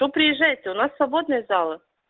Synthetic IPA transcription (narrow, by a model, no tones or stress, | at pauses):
opɾʲɪjɪʐːæjɪt̪ʲːɪʊnasːvɐbod̪nɨjəzalˠə